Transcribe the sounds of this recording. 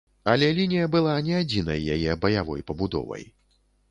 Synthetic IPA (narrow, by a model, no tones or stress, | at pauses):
alʲɛlʲinʲijɐbɨlˠanʲɛad͡zʲinɐ̰jːajɛbɐjavɔ̰jpɐbud̪ɔ̰vɐ̰j